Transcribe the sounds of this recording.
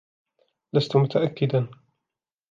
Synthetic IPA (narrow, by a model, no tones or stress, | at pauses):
last̪ʊmʊt̪aʔakːɪd̪an